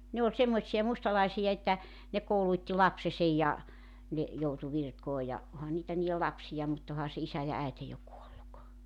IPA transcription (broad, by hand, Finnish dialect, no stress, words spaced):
ne olʲ semːoĭtsijɑ mustɑlɑisijɑ etːæ ne kouluĭtːi lɑpsesej jɑ ne joutu ʋirkoː jɑ ohɑ niːtæ niːjel lɑpsijɑ mut ohɑ se isæ jɑ æete jo kuolːuk